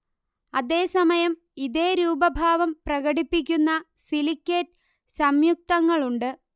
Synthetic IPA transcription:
ɐðe̞ːsɐmɐjɐm | iðe̞ːɾuːbɐbʱaːʋɐmprɐɣɐɽipːik̬ʲːunːɐ | silikʲːet | sɐmjuk̚t̪ɐŋːɐɭuɳɖɨ

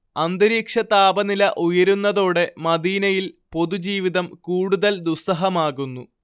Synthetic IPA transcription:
ɐnd̪ɐɾiːkʂɐt̪aːbɐnilɐʔujɐɾunːɐðo̞ːɽe̞mɐd̪iːnɐjilpo̞ðud͡ʑiːʋiðɐmkuːɽuðɐld̪usɐɦɐmaːɣunːu

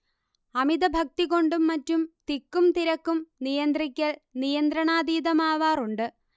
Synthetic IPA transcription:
ɐmiðɐbʱɐk̚t̪iɣo̞ɳɖumːɐtːumt̪ikːumt̪iɾɐkːumnijɐnd̪rikʲːɐɭnijɐnd̪ɾɐɳaːd̪iːðɐmaːʋaːruɳɖɨ

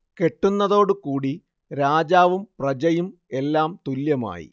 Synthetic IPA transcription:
ke̞ʈːunːɐðo̞ːɽɨkuːɽi | ɾaːd͡ʑaːʋumprɐd͡ʑɐjum | e̞lːaːmt̪uljɐma̰ːjḭ

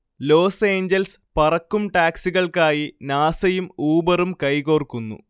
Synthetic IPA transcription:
lo̞ːse̞ːɲd͡ʑɐlspɐrɐkːumʈaːksiɣɐɭkaːjinaːsɐjumuːbɐrumkɐjkoːrkːunːṵ

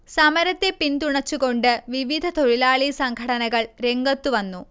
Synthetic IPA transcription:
sɐmɐɾɐt̪ːe̞pint̪uɳɐt͡ɕːuɣo̞ɳɖɨʋiʋid̪ʱɐt̪oɻilaːɭisɐŋkʰɐɽɐnɐɣɐɭɾe̞ŋɡɐt̪ːuʋɐnːu

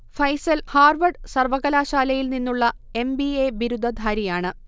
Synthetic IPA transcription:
fɐjsɐlhaːrʋɐɖsɐrʋɐɣɐlaːɕaːlɐjilninːuɭːɐ | e̞mbieʋiɾud̪ʱːɐd̪ʱaːɾijaːɳɨ

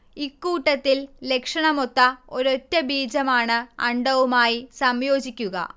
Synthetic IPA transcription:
ikːuːʈːɐt̪ːille̞kʂɐɳɐmot̪ːɐoɾo̞tːɐbiːd͡ʑɐmaːɳɨɐɳɖɐʋumaːjisɐmjo̞ːd͡ʑikʲːuɣɐ̰

